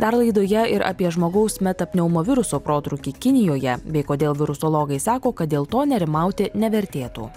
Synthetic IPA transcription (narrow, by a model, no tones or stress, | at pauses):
d̪ɐɾlˠɐɪd̪oːjɛɪɾɐ̰pʲiɛʒmoːɡɐʊsmʲɛt̪ɐpʲnʲɛʊmoːʋʲɪɾʊsoːpɾoːt̪ɾʊkʲiːkʲɪnʲɪjoːjɛbʲɛɪkoːd̪ʲeːlˠʋʲɪɾʊsolˠoːɡɐɪsɑːkoːkɐt̪̚d̪ʲeːlˠt̪oːnʲɛɾʲɪmɑˑʊt̪ʲɪnʲɛʋʲɛɾʲt̪ʲeːt̪ṵː